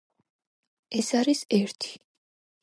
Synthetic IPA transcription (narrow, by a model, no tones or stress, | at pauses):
ɛsaɾisɛɾt̪ʰi̥